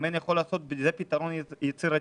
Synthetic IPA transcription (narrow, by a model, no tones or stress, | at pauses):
menjaxolːaːso̞t̪̚bzepit̪aɾonjet͡siɾa